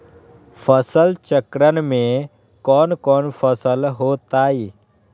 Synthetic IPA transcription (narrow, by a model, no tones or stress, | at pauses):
pʰəsəlt͡ʃəkɾənmẽ | kɔːnkɔːnpʰəsəlɦoːt̪aːiː